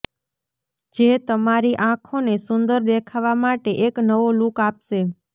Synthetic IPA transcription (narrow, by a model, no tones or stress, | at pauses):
d͡ʒet̪əmaɾiʔãkʰonesʊnd̪əɾd̪ekʰaʋamaʈeʔeknəʋolukapʃe